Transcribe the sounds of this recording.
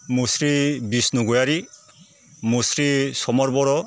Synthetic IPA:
musɾibisnuɡɔjaɾi | musɾisɔmɔɾbɔɾɔ

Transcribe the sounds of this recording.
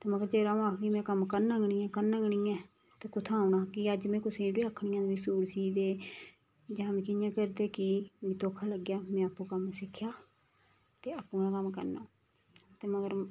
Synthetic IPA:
t̪eːməɡəɾd͡ʒəːɾaːõːaːkʰɡiːmɛ̃ːkəmkəɾnãːɡɳiːãːkəɾnãːɡəɳiːɛ̃ː | t̪eːkʊt̪ʰãːʊnãːkɪəd͡ʒmɛ̃ːkʊsẽːɖiːəkʰːɳijãːd̪eːʋɪsuːɾsiːd̪eː | d͡ʒãːmɛ̃ːkɪjãːkəɾd̪eːkiːmĩːt̪oːkʰːaːləɡjaːmɛ̃ːəpːũːkəmsɪkʰːjaː | t̪eːəkuːnãːkəmkə̰ɾnãː | t̪eːməɡəɾ

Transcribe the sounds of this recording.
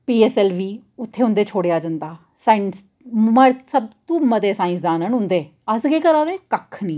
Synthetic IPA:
piːɛːsɛːlʋiːʊt̪ʰːeːɦʊ̃nd̪eːt͡ʃʰoːɽejaːd͡ʒənd̪aː | saːɪns | məɾsəb̚t̪ũːməd̪eːsaːɪ̃nsd̪aːnənɦʊ̃nd̪eːəsɡeːkəɾaːd̪eːkəkʰnĩː

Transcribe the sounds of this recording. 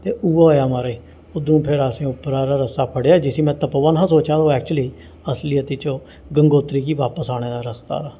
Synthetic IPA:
t̪eːʔuːaːoːjaːmaɾiː | ʊd̪ũːpʰɪɾasẽːʊpːɾaːɾaːɾəsaːpʰəɽjaːd͡ʒɪsĩːmɛ̃ːt̪əpəʋənɦãsoːt͡ʃaːd̪oːɛːk̚t͡ʃʊliː | əsliːət̪iːt͡ʃo | ɡəŋɡoːt̪ɾiːkiːʋaːpəsaːɽ̃eːd̪aːɾəst̪a̰ːɾaː

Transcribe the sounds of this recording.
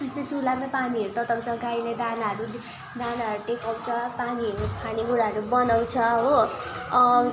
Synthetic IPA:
est̪et͡sulamapaniɦʌɾut̪ʌt̪ʌkt͡sʌ̃ɡajned̪anaʌɾu | d̪anaɦʌɾut̪ekaw̃t͡sʰʌpaniɦʌɾumepʰaniɦuɾaɦʌɾubʌnaw̃t͡sʰʌɦo

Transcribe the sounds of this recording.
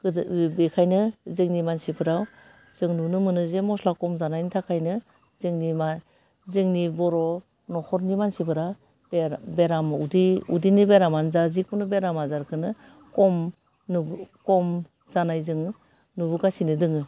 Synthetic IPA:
bekʰajnɯzɯŋnimansipʰɯɾaw | z̥ɯŋnunɯmɯnɯzemɔslakɔmzanajnɯtʰakʰajnɯ | zɯŋnima | zɯŋnibɔɾɔ | nɔhʰɔɾnimansipʰɯɾa | bebeɾamudiudinibeɾamanzazikunɯbeɾamazaɾkʰɯnɯ | kɔm | nkɔm | zanajzɯŋ | nubuɡasinɯdɯŋɯ

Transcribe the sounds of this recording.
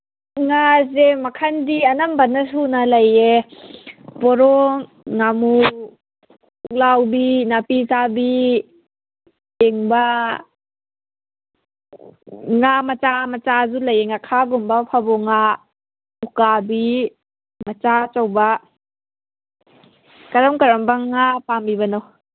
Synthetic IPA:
ŋazemakʰandianambanːasunalɐje | pɔɾɔŋː | amu | lawbinapit͡ʃabi | ɛŋba | ŋamat͡ʃamat͡ʃazulajeŋakʰaɡumbapʰabɔŋa | ukabi | mat͡ʃat͡ʃawba | kaɾamkaɾambaŋapambibanɔw

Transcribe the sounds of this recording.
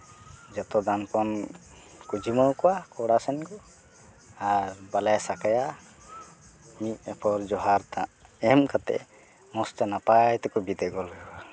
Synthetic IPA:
d͡ʒat̪ɔd̪anpɔn | kud͡ʒiməwkɔwakɔɽasɛnkɔ | aɾbalajsakaja | mit̪̚ɛpʰɔɾd͡ʒɔɦaɾt̪ãʔɛmkat̪ɛ̰ | mɔst̪anapajt̪ɛkɔbid̪ɛɡɔlɡɛa

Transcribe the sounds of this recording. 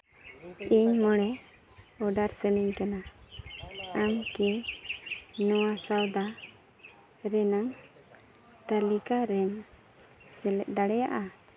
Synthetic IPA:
iɲmɔɽɛ | ɔɖaɾsəniɲkana | amkɛ | nɔwasawd̪a | ɾɛnaŋ | t̪alikaɾɛm | sɛlɛt̪̚d̪aɽɛja̰ʔa

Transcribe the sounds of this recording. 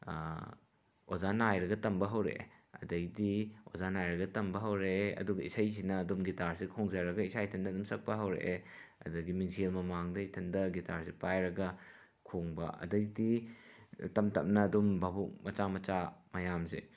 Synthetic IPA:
ozanajɾɐɡɐtɐmbɐɦɐwɾḛɐ̰dɐɡdiozanajɾɐɡɐtɐmbɐɦɐwɾeeɐ̰duɡɐisɐjs̬inɐːdumɡitaɾsikʰoŋzaɾɐɡɐisʰajtʰɐndɐɐdumsɐk̚pɐɦɐwɾḛʔeɐ̰dɐɡimiŋsielmɐmaŋdɐitʰɐndɐɡitaɾsepajɾɐɡɐ | kʰoŋbɐ̰ʔɐ̰dɐɡdi | tɐmtɐ̰p̚nɐːdumbʱɐbuk̚mɐt͡ʃamɐt͡ʃamɐjamsḛ

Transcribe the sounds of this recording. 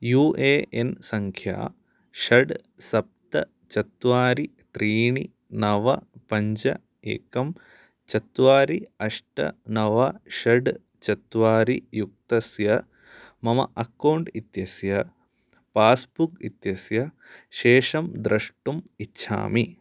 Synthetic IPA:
juːʔeːensɐŋkʰja̰ː | ʃɐɖ | sɐp̚t̪ɐ | t͡ʃɐt̪ʋaːɾi | t̪ɾiːɳi | nɐʋɐpɐɲd͡ʒɐ̰ | ḛːkɐm | t͡ʃɐt̪ʋaːɾiɐʂʈɐ̰nɐʋɐʃɐɖ | t͡ʃɐt̪ʋaːɾijuk̚t̪ɐsjɐ | mɐmɐ̰ʔɐkːɐwɳɖit̪jɐsjɐ | paːsbukit̪jɐsjɐ | ʃeːʂɐmd̪ɾɐʂʈumitːʃʰa̰ːmi

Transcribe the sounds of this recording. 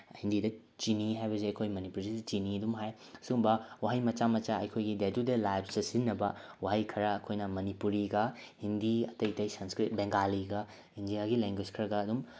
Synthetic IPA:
hindidɐ | t͡ʃiniɦajbɐzeɐjkʰojmɐnipuɾzidɐt͡ʃiniɐdumɦajɐsuɡumbɐwaɦɐjmɐt͡ʃamɐt͡ʃaɐjkʰojɡidedudelajbsɐsinːɐbɐwaɦɐjkʰɐɾɐːkʰojnɐmɐnipuɾiɡɐhindiɐtɐjtɐjsɐnskɾit̚beŋɡaliɡɐ | indijaɡileŋɡwed͡ʒkʰɐɾɐɡɐːdum

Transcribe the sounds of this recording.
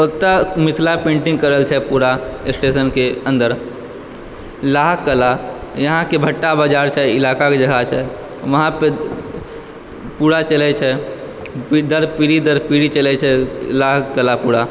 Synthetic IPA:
ʊt̪ːamɪt̪ʰlapẽːɳʈɪ̃ŋɡ̚kəɾəlt͡ʃʰɛpuɾaɪsʈeːsənkeə̃nd̪əɾ | laːɦkːəlajɐɦãkebʱəʈːabaːd͡ʒaːɾt͡ʃʰɛɪlaːkaked͡ʒəɡʱat͡ʃʰɛ | ʋɐɦãpe | puːɽat͡ʃəlɛt͡ʃʰɛ | d̪əɾpiɾid̪əɾpiɾit͡ʃəlɛt͡ʃʰɛlaɦkəlapuːɽa

